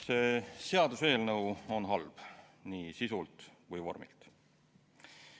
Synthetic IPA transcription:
se̞ːse̞ɑd̪use̞ːlnɤwo̞nɦɑlb̥ | niːsisult̪kujvo̞̰rmḭlt̪

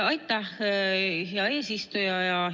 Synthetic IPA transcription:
ɑjt̪ːˑɑh | heɑe̞ːsist̪ujɑjɑ

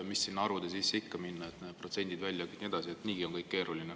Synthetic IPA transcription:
misːinːɑɾud̪̥esisːikːɑminːɑe̞t̪ne̥pro̞t̪se̞nʲd̪id̪vælʲjɑkit̪nʲie̞d̪̥ɑsiet̪niːɡ̥ionkɤjkːke̞ːɾuline

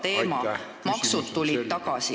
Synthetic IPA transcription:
t̪e̞ːmɑ | mɑksud̪̥t̪ulʲid̥̪t̪ɑɡ̥ɑsi

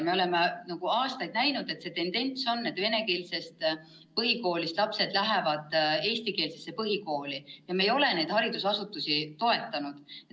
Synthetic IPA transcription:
me̞o̞le̞menɑɡ̥uɑːst̪ɑjd̪̥næjnud̪e̞t̪se̞t̪e̞nd̪e̞nt̪so̞nːe̞d̪̥ve̞ne̞keːlse̞st̪ | pɤɦiko̞ːlist̪lɑpse̞d̪̥læɦevɑd̪̥e̞ːst̪ike̞ːlse̞sːe̞pɤɦiko̞ːlijɑmejo̞le̞ne̞jd̪̥hɑɾid̪̥usɑsut̪ːˑusit̪o̞e̞t̪ːˑɑnud̪̥e

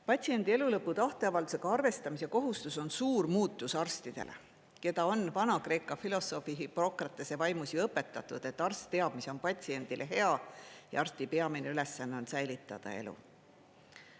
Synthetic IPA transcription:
pɑt̪ʲsie̞nd̪̥ie̞lulɤpːut̪ɑht̪eɑvɑld̪u̥seɡ̥ɑɑrve̞st̪ɑmisjɑko̞ɦust̪uso̞nsuːrmuːt̪ːˑusɑrst̪id̪̥e̞̰lʔe̞̰ | ke̞d̪̥ɑo̞nvɑnɑkre̞ːkːˑɑfilo̞so̞fiɦipro̞krɑt̪ːˑese̞vɑjmusiɤpːe̞t̪ːˑɑt̪ːˑud̪̥e̞t̪ːˑɑrst̪ːe̞ɑb̥miso̞npɑt̪ʲsie̞nd̪̥ilʔe̞ɦe̞ɑjɑ̰ɑrst̪ipeɑmineyle̞sːɑnːeo̞nsæjlit̪ːˑɑ̰d̪̥ɑ̰e̞̰lṵ

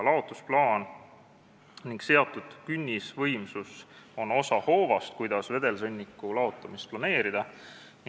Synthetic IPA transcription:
lɑo̞t̪ːˑusplɑːn | niŋɡ̥se̞ɑt̪ˑːud̪̥kynʲːisvɤjmsuso̞no̞sɑho̞ːvɑst̪̚kujd̪̥ɑsve̞d̪e̞lsɤnʲːikːˑulɑot̪ːˑɑmist̪̚plɑne̞ːɾid̪̥ɑ

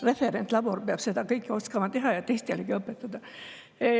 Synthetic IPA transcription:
re̞feɾent̪ˑlɑbo̞rpeɑb̥se̞d̪ɑkɤjkːˑioskɑmɑt̪e̞ɦɑjɑt̪ejst̪eleɡiɤpːˑet̪ːˑɑd̪̥ɑ

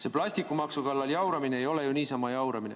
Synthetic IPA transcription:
se̞plɑsʲt̪ikːˑumɑksukɑlːɑljɑwɾɑmine̞ːjo̞le̞juniːsɑmɑjɑwɾɑminḛ

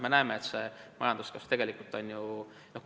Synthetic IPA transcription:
me̞næemeet̪se̞mɑ̰jɑnd̪̥uskɑst̪e̞ɡ̥e̞likˑult̪ːˑo̞nʲju | noh

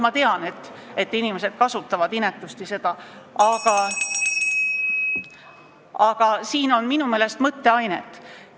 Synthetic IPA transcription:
mɑt̪e̞ɑne̞t̪ːˑet̪ːˑinime̞se̞d̪̥kɑsut̪ːˑɑvɑd̪̥inet̪ːˑust̪ise̞d̪̥ɑ | ɑɡ̥ɑ | ɑɡ̥ɑsiːno̞nminumeːle̞st̪mɤt̪ːe̞ɑjnḛt̪ːˑ

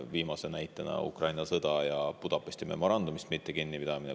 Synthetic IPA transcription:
viːmɑsenæjt̪ˑːenɑ̰ṵkrɑjnɑsɤd̪̥ɑjɑpud̪̥ɑpːˑesʲt̪ʲime̞̰mo̞ɾɑnd̪̥umist̪mit̪ːekinːipid̪̥ɑmine

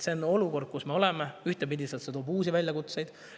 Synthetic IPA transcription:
se̞nːo̞luko̞rd̪̥̚kusme̞o̞le̞meyht̪e̞pid̪ʲiset̪se̞t̪oːbuːsivælʲjɑkut̪se̞jd̪̥

